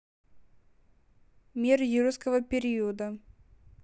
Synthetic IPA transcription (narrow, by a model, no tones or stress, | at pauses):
mʲirjiɾuskəvəpʲɪɾʲiəd̪ə